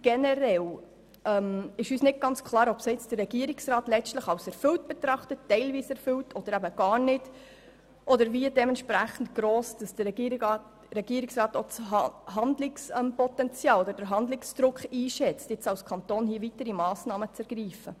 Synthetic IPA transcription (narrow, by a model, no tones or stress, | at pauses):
ɡ̥ɛnɛɾɛl | ʔɛmɪʃyːsnɪt̚ɡ̥ɑnt͡skʰlɑːɾɔpsɪt͡sd̥ərːɛɡiəɾɪksrɑːtlɛstləχɑwsɛɾfʏlt̚b̥ɛtɾɑχtətːɛɪlviːsɛɾfʏltʰɔd̥əɾæbəɡ̥ɑːɾnɪd | ʔɔd̪əɾviədɛmɛntʃpɾæχn̩tɡ̥ɾoːsd̥ɑsd̥əɛɡi | ɾɛɡ̥iəɾɪksrɑːtot͡shɑndlɪksɛmpɔtɛnt͡sjɑːlɔd̪əɾd̥əɾɦɑnd̪lɪksd̥̪ɾʊkχiːʃɛt͡stjɪt͡sɑwskʰɑntoːnhiːəvitəɾimɑːsnɑːmət͡sɛɾɡ̥ɾiːfə